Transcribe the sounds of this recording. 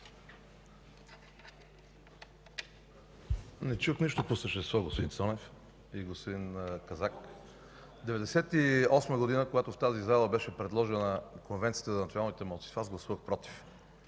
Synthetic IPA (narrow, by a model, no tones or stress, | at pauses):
nɛt͡ʃuxniʃt̪oposəʃt̪ɛst̪vɔɡospod̪insɔnɛf | iɡospod̪inkɐzak | d̪ɛvɛd̪ɛsɛt̪iɔsməɡod̪inəkoɡat̪oft̪azizalˠəbɛʃɛpɾɛd̪lˠɔʒɛnnəkonvɛnt̪sijət̪əzɐnt̪ionalˠnit̪ɛmɔlˠt̪i̥tfazɡlˠɐsuvəxpɾɔt̪i̥f